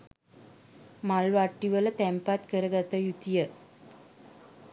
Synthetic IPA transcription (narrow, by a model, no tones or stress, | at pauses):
mɐlʋaʈːiʋɐlɐt̪empat̪kəɾɐɡɐt̪ːɐjut̪ːijɐ